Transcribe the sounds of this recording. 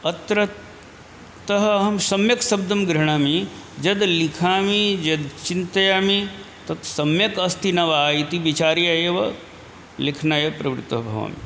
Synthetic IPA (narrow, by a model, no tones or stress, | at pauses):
ɐt̪ɾɐ | t̪ɐɦɐːɦɐmsɐmjɐksɐb̚d̪ɐmɡɾɐɳ̃aːmi | d͡ʒɐd̪likʰaːmid͡ʒɐd̪t͡ʃint̪ɐjaːmi | t̪ɐt̪sɐmjɐkɐst̪ʰinɐʋɐaːit̪ibit͡ʃaːɾijaːjeːʋɐ | likʰnaːjɐpɾɐʋɾɪt̪ʋɐɦɐbʱɐʋa̰ːmḭ